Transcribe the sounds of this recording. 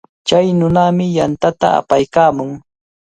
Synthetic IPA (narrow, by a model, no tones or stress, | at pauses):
t͡ʃajnʊnamɪjant̪at̪a̰a̰pajkaːmʊŋ